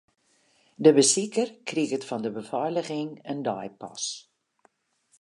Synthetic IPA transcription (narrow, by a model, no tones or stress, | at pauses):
dəbəsikərkrikətfɑndəbəfɔjləχɪŋəndɑ̰jpɑ̰s